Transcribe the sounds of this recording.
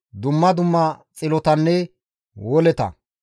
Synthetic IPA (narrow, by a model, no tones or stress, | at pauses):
d̪ʊmːɐd̪ʊmːɐt͡sʼɪlɔt̪ɐnːɛ | wɔlɛt̪ɐ̰